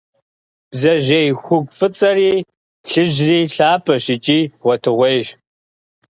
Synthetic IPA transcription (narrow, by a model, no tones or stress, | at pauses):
b̥zɐʒejxʷʊɡʷfɨt͡sʼɐriː | ɬɨʑriːɬaːpʰɐʃɪt͡ʃʼiːʁʷɔtʰɨʁʷejʒ